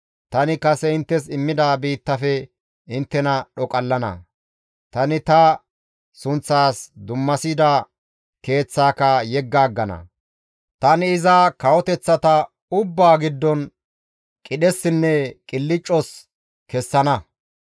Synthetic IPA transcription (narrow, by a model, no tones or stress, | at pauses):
t̪ɐnɪkɐsɛɪnt̪ːɛsɪmːɪd̪aːbiːt̪ːɐfɛ | ɪnt̪ːɛnɐɗɔkʼɐlːɐnɐ̰ | t̪ɐnɪt̪ɐ | sʊnt͡sːaːsd̪ʊmːɐsid̪a | ke̞ːt͡sːaːkɐjɛɡːaːɡːɐnɐ̰ | t̪ɐnɪɪzakɐwɔt̪ɛt͡sːɐt̪ɐ | ʊbːaːɡɪd̪ːɔn | kʼɪɗɛsːɪnːɛkʼɪlːɪt͡ʃʼːɔs | kɛsːɐnɐ